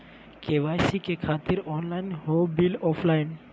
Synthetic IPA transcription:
keʋaːjsikekʰaːt̪ɪɾɔːnlaːɪnɦobilɔːpʰlaːɪn

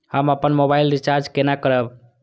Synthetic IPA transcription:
həməpənmobailɾit͡ʃaɾd͡ʒkenakəɾəb

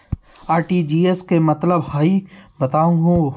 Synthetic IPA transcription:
aːɾʈiːd͡ʒiːeskemɐt̪ləbhaːibɐt̪aːũɡõ

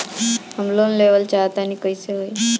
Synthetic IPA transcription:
ɦəmlonleʋəlt͡ɕaət̪anikəjseɦoj

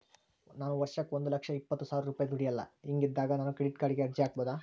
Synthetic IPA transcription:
naːnuʋɐɾʂɐkond̪ulɐkʂɐipːɐt̪ːusaːʋɾɐɾuːpaːjɐd̪ʱuɽijɐlːɐ̰iŋɡid̪ːaːɡɐnaːnukɾeɖiʈkaːɽiɡeɐɾd͡ʒijaːk̚boːd̪aː

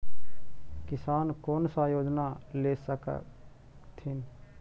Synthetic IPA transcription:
kɪsaːnkoːnsajoːd͡ʒnaleːsək | t̪ʰɪn

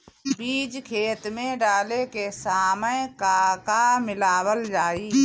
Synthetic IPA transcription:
biːd͡ʒkʰeːt̪mẽɖaːlekesaːməjkaːkamɪlaːwəld͡ʒaːiː

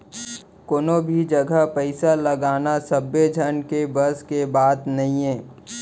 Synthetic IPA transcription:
koːnobʱid͡ʒɐɡʱəpəɪsaləɡaːnasəbːed͡ʒʱənkebəskebaːd̪nɐɦĩɛ̃ː

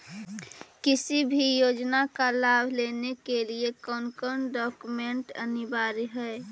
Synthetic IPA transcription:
kɪsibʱijoːd͡ʒnakalaːbʱleːnekeliekɔːnkəɾɳɖɔːkumẽɳʈənɪbaːɾɦɛ

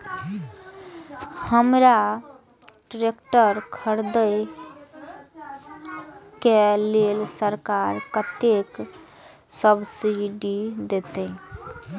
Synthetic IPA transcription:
həmɾa | ʈɾekʈəɾkʰəɾd̪əj | kelelsəɾkaɾkət̪ek | səbsiɖid̪et̪ə

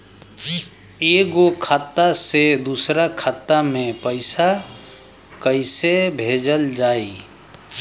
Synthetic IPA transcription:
eɡokʰat̪ːased̪usɾakʰat̪ːamẽpəɪsa | kəɪsebʱeːd͡ʒəld͡ʒaːi

